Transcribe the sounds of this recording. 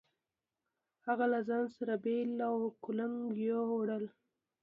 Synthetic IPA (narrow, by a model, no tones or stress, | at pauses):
haɣalazɑnsaɾabelawkʊlaŋɡjoɽəl